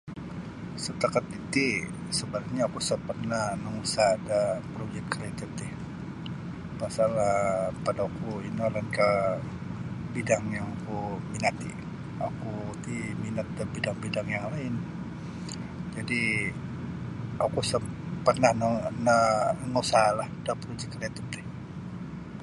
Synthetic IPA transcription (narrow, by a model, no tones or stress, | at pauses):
sət̪akat̪it̪i | səbaɾakɲaːkusəpərnahnəŋusaːdapɾod͡ʒɛkt̪̚kəɾet̪ət̪ɪ | pasalapadaukuinalanka | bidaŋjaŋakuminat̪i | akut̪iminat̪̚dabidaŋbidaŋjaŋlaɪn | d͡ʒadi | akusəpərnahnənəŋosalahdapəɾud͡ʒɛkəɾɛt̪up̚t̪ɪh